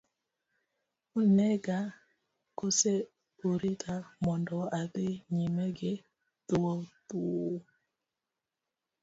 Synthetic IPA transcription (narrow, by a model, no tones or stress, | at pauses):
unɛɡa | kose | uɾitʰamɔndɔaðeɲimɛɡe | tuwɔtu